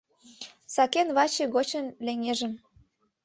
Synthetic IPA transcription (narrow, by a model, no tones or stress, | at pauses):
sɑkenβɑt͡ɕĕɣot͡ɕənleŋʲeʒə̆m